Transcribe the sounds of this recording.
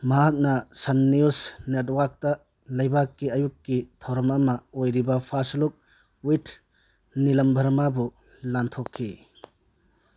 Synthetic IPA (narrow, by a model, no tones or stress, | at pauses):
mɐɦak̚nɐsɐnːiusnet̚wak̚tɐ | lɐjbakːiɐjukːitʰɐwɾɐmɐmɐojɾibɐpʰasluk̚ | witʰ | nilɐmbʱɐɾmabu | lantʰokʰːi